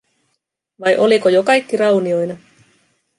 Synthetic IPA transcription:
ʋɑjʔo̞likojokɑjkːiɾɑwnio̞jnɑ

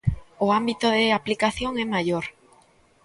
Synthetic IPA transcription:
oambit̪oðeaplikaθjoŋɛmaʎoɾ

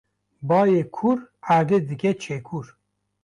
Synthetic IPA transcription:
bɑːjekʰuɾaɾd̪ed̪ɨkʲɛt͡ʃʰekʰuɾ

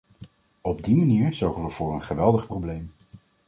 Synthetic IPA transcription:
ɔb̚dimaniːɹzɔɹχənʋəv̥ʊːɹənχəʋɛlˠdəχprowblejm

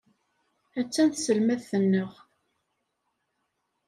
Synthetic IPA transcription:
æt͡sːænθsəlmæðθənːəʁ

